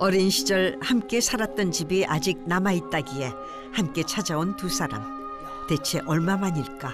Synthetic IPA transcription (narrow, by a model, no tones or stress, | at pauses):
ʌɾinɕʰid͡ʑʌɭhamk͈e̞sʰaɾat̚t͈ʌnt͡ɕibiʔad͡ʑik̚namait̚t͈aɡie̞ | hamk͈e̞t͡ɕʰad͡ʑaontusʰaɾa̰m | te̞t͡ɕʰe̞ʔʌɭmamaɲiɭk͈a